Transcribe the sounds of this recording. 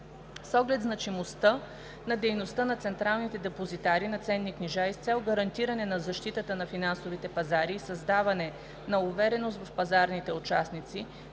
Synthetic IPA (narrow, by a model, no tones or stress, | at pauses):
sɔɡlɛt̪znɐt͡ʃimost̪ə | nɐd̪ɛjnost̪ənɐt̪sɛnt̪ɾalˠnit̪ɛd̪ɛpozit̪aɾinɐt̪sɛnːikniʒaist̪sɛlˠɡɐɾɐnt̪iɾɐnɛnɐzɐʃt̪it̪ət̪ənɐfinansovit̪ɛpɐzaɾiːsɐzd̪avɐnɛ | nɐʊvɛɾɛnost̪vɐfpɐzaɾnit̪ɛʊt͡ʃasnit̪si